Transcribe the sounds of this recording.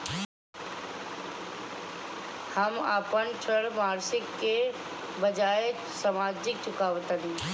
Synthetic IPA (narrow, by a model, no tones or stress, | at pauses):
həma̰ːpənt͡ʃʰəɽmaːɾsɪkːe | bəd͡ʒaːe | samaːd͡ʒɪk̚t͡ʃʊkaːʋt̪ənĩː